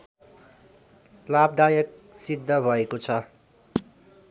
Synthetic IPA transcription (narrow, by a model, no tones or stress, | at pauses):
lab̚d̪ajʌk̚sid̪ʱːʌbʱʌekot͡sʰʌ